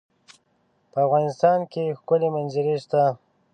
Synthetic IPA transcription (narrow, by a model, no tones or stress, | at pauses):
pəavɣɑnɪst̪ɑnkexkʊlemanzəɾeʃt̪a